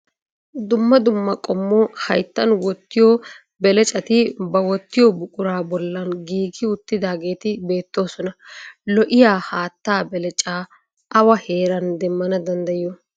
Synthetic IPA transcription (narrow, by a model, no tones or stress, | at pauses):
d̪ʊmːɐd̪ʊmːɐkʼɔmːoːhɐjt̪ːɐnwɔt̪ːɪjoː | bɛlɛt͡ʃʼɐt̪ɪbɐwɔt̪ːɪjɔbʊkʼʊɾaːbɔlːɐnɡiːɡɪʊt̪ːɪd̪aːɡe̞ːt̪ɪbe̞ːt̪ːo̞ːsɔnɐlɔʔɪjaːhaːt̪ːaːbɛlɛt͡ʃʼaː | ʔɐwɐhe̞ːɾɐnd̪ɛmːɐnɐd̪ɐnd̪ɐjjɔ